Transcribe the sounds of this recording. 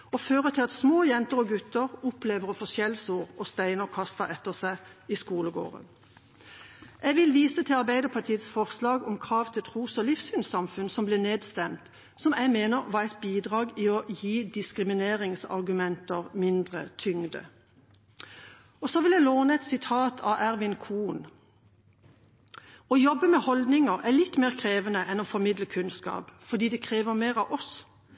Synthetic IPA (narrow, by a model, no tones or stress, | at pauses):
ɔføːʁət̪ʰɪlɑt̪smoːjɛnt̪əʁɔɡʉt̪əʁʊpleːʋəʁɔfosjɛlsuːʁɔst̪æɪnəɔkʰɑst̪ɑʔɛt̪ːəʁsæɪiskuːləɡo̰ːʁə̰n | ʔɛɡʋɪlʋiːsət̪ʰɪlɑʁbæɪd̪əpʰɑt̪ʰiːət̪sfɔʁslɑːɡɔmkʰʁɑːʋt̪ʰɪlt̪ʰʁuːsɔlɪfshʉnsɑmfʉnsɔmblɪneːd̪st̪ɛmt̪ | sɔmæmeːnəʁʋɑɛɪt̪̚biːd̪ʁɑːɡɪɔjiːd̪ɪskʁɪmɪneːʁɪŋsɑ̰ʁɡʉmɛnt̪əʁmɪnd̪ʁə̰t̪ʰʏŋd̪ə̰ | ɔsɔʋɪlæɪloːnəɛt̪sɪt̪ʰɑːt̪ʰɑ̰ʔæʁʋɪnkʰuːn | ɔjɔbːəmɛhɔld̪nɪŋəʁælɪt̪ːmeːʁkʰʁeːʋənəʔɛnɔfɔʁmɪd̪ləkʰʉnskɑ̰ːpfɔd̪iːd̪ɛkʰʁeːʋəʁmeːʁɑʋʔɔs